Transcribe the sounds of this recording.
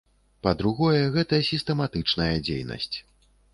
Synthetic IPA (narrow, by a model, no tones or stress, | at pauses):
pɐd̪ɾuɣɔjɛɣɛt̪ɐjɐsʲist̪ɛmat̪ɨt͡ʂnɐjɐd͡zʲḛjnɐ̰sʲt͡sʲ